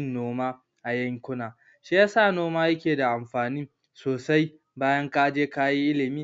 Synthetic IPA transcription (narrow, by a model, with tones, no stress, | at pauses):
nːoː˦maː˦ | ʔa˨jɐ˦ŋkʷʊ˦naː˨ | ʃi˦ja˦saː˦˨noː˦maː˦jɐ˦kʲeː˨da˨ʔa˨mɸaː˨ni˦ | soː˨sa˦j | baː˦jɐ˦ŋkaː˦d͡ʒeː˦kaː˦ji˦ʔɪ˦lɪ˨miː˦